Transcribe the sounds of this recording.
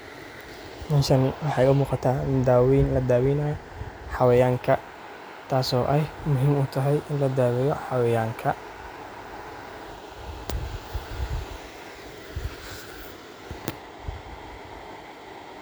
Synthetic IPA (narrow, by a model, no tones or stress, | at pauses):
mɐnʃɐnwɑħɑjʊmuːqɑt̪ʰaːd̪aːwiːnlɐd̪aːwiːnɐj | ħɑwɛjaːŋkʰɐ | t̪ʰaːsɔːʔɛjmʊɦiːmʊːt̪ʰɐɦɛjʔɪnlɐd̪aːwɛjɔħɑwɛjaːŋkʰɐ